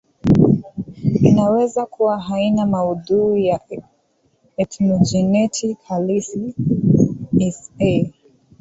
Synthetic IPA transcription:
inawɛzakuwaɦainamauðuija | ɛtnɔd͡ʒɛnɛtʰikalisi | ɛsɛ

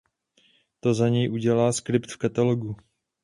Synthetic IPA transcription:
t̪o̞zaɲɛjʔuɟɛlaːskɾɪpt̪fkat̪aloɡu

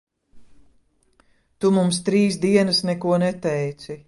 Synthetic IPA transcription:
t̪umumst̪ɾiːs̬d̪iɛnɐsnɛkuɔnɛt̪ɛjt̪si

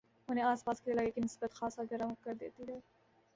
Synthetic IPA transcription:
ɦʊnẽaːspaːskeɐlaːɡekinɪsbət̪xaːsaɡɐɾaʊkɐɾd̪ḛːt̪iɦɛː

